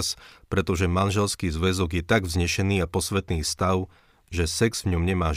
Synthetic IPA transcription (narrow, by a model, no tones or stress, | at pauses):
spɾɛt̪ɔʒɛmanʒɛlskiːzʋɛzɔɡjɛt̪aɡvzɲɛʃɛniːapɔsʋɛt̪niːst̪aʊ | ʒɛsɛɡz̥vɲɔmɲɛmaːʒ